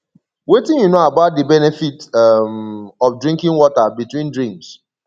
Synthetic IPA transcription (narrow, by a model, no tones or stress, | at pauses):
wetĩnjunoabaʊt̚dibɛnɛfitmɔfdɹĩŋkɪ̃ŋwɔtabitwĩndɹĩms